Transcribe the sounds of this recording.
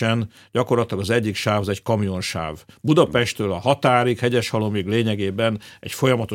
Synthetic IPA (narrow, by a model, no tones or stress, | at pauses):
ɛn | ɟɒko̞rlɒt̪lɒɡɒzɛɟːikʃaːvɒzɛckɒmijo̞nʃa̰ːvbud̪ɒpɛʃt̪øːlɒɦɒt̪aːɾikhɛɟɛʃhɒlomiɡleːɲɛɡeːbɛnɛ̰cfo̞jɒmɒt̪o